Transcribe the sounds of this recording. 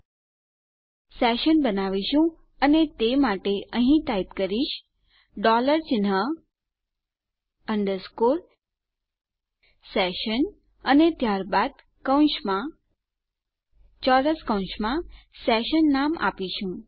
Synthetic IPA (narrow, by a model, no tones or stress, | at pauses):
sɛʃənbənaʋiʃũ | ənet̪emaʈeʔəɦĩt̪ait̪kəɾiʃ | ɖɔləɾt͡ʃɪnɦə | əɳɖəɾskoɾ | sɛʃən | ənet̪jaɾbad̪ | kəwʃmã | t͡ʃɔɾəskə̃w̃ʃmã | sɛʃənːama̰piʃũ